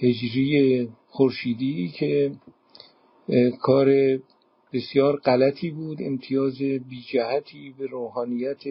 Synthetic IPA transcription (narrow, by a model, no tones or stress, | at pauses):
he̞d͡ʒɾije | xoɾʃiːd̪iːcʰe | kʰɒːɾe | b̥e̞sjɒːɾɢælæt̪ʰiːbuːd̪e̞̰mt̪ʰijɒːzebiːd͡ʒæhæt̪ʰiːbeɾoːɦɒːnijæt̪ʰe